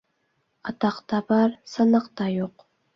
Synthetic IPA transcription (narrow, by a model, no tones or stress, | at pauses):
atʰɑqt̪abarsanaqt̪ajoq